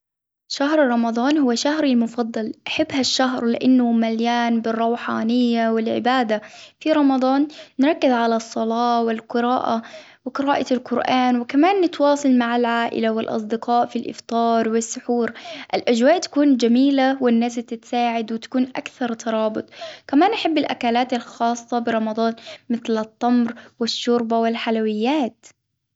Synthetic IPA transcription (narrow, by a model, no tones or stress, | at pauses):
ʃaɦɾɾˤɑmɑd̪ˤɑːnhʊwːaʃaɦɾɪlmʊfɑd̪ˤːɑlʔaħɪbːhaʃːaɦɾlɪ̰ʔanːʊmaljaːnbɪrˤːɑwħaːnɪjːawɪlʕɪ̰baːd̪afiɾˤɑmɑd̪ˤɑːnːɾˤɑkːɪzʕalasˤːɑlɑːwɪlqɪɾaːʔa | wɪqɨɾaːʔalqʊɾʔaːnwɪkamaːnːɪt̪wɑːsˤɑlmaʕalʕaːʔɪ̰lawɪlʔɑ̰sˤd̪ɪqɑːʔfilʔɪ̰ft̪ˤɑːɾˤwɪsːʊħuːɾʔɪlʔad͡ʒwaːʔt̪ḁkuːnd͡ʒamiːlawɪnːaːst̪ɪt̪saːʕɪd̪wɪt̪ḁkuːnʔa̰kθɑɾˤt̪ʰɑɾˤɑːbʊt̪ˤkamaːnʔaħɪbːɪlʔakaːlaːt̪ɪlxɑːsˤːɑbɪɾˤɑmɑd̪ˤɑːnmɪθlɨt̪ˤːɑmɾwɪʃːʊɾbawɪlħalawɪjːaːt̪